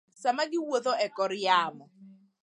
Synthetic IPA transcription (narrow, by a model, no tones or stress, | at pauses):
samaɡɪwoðɔʔɛkɔɾiaːmɔ